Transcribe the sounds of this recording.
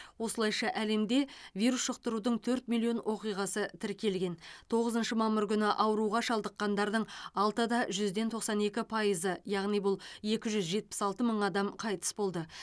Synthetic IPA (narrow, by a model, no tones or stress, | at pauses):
wo̞səlˠɑjʃɑʔæle̞md̪e̞vʲijɾusʃəqt̪əɾud̪əɴt̪ʰɵɾt̪milʲˠːio̞nwʔo̞qijʁɑsət̪ʰɪɾkʲʰe̞lɡʲe̞nt̪ʰo̞ʁəzənʃəmɑmːəɾkʲʏnɪʔɑwəɾuʁɑʃɑlˠd̪əqːɑnd̪ɑɾd̪əɴɑlˠt̪əd̪ɑʒʏzd̪e̞nt̪ʰo̞qsɑne̞kʲɪpʰɑjəzəjɑʁnijbʊlˠe̞kʲɪʒʏzʒe̞t̪̚pɪ̥sɑlˠt̪əməɴɑd̪ɑmqʰɑjt̪ə̥sbo̞lˠd̪ə